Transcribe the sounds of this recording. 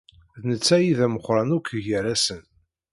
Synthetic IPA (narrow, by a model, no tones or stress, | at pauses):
ðnət͡sːæjiðæməχɾˤɑnukːʝəɾæsən